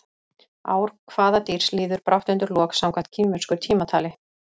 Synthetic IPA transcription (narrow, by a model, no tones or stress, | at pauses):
a̰ːwɾ̥kʰvaːðat̪iːɾ̥sliːðʏɾpɾʔawht̪ʏnt̪ʏɾlɔːksamkʰvaht̪cʰimmːʏn̥skʏɾ̥t̪ʰiːmat̪ʰaːlɪ